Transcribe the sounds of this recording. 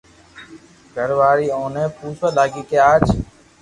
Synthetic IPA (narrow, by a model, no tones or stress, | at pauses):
ɡʱəɾʋaːɾiːõːnẽːpuːsalaːɡiːkɪjaːt͡ʃʰ